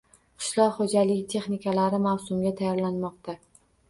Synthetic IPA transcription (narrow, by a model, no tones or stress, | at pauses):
qʰɨ̥ʃlˠɒqχod͡ʒalɪɡʲt̪ʰe̞χnɪkʰʲalaɾɪmawsʊmɡʲat̪ʰajɒɾlanmɒqt̪a